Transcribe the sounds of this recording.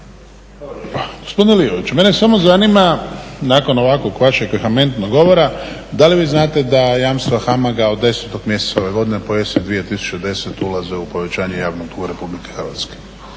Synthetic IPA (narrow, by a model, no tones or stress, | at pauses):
ɡ̥ospo̞d̪ineliʋoʋit͡ɕume̞nesamo̞zanimanaːko̞noʋakoɡʋaʃeɡexame̞nt̪noɡo̞ʋoɾad̪aliʋiːznaːt̪e̞d̪ajaːmst̪ʋaxamaɡao̞d̪ːe̞set̪oɡmje̞set̪sao̞ʋe̞ɡo̞d̪inepojesd̪ʋijet̪isu̥t͡ʃed̪e̞set̪ulazeupo̞ʋe̞t͡ɕaːɲejaːʋnoɡ̚t̪uɡaɾe̞publikexrʋa̰t̪ske̥